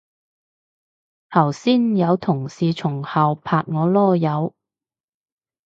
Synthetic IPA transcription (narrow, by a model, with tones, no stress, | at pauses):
t̪ʰɐ˨˩wsiː˥njɐ˨˧wt̪ʰʊ˨˩ŋsiː˨˧t͡ʃʰʊ˨˩ŋhɐ˨wpʰaː˧t̚ŋɔː˨˧lɔː˥˩jɐ˨˧w